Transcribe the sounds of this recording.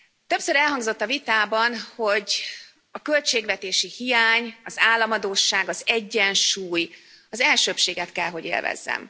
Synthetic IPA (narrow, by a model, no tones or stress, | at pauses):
t̪øpsøɾɛlɦɒŋɡzo̞t̪ːɒvit̪aːbɒnho̞ɟ | ɒkølt͡ʃeːɡʋɛt̪eːʃihijaːɲɒzaːlːɒmɒd̪oːʃːaːɡɒzɛɟːɛnʃuːj | ɒzɛlʃøːpʃeːɡɛt̪kɛlɦo̞ɟḛːlvɛ̰zːɛ̰m